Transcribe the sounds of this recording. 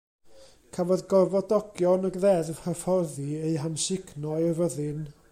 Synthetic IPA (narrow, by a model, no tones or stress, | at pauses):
kʰavɔðɡɔvɔdɔɡjɔnaɡðɛðvhəfɔrðiejɦanʃɪkʰnɔɨvəðɪn